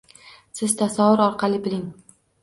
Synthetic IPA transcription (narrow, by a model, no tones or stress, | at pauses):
sɪz̥t̪ʰasavʊɾɒɾqʰɑlˠɪbɪlɪŋ